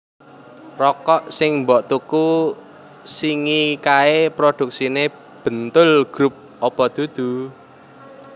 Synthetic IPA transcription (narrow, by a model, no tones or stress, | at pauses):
rɔkɔʔsɪŋmbɔʔt̪uku | siŋikaepɾod̪̥ṳk̚sine | b̥ə̤nt̪ʊlɡ̥ɾup̚ | ɔpɔd̪̥ṳd̪̥ṳ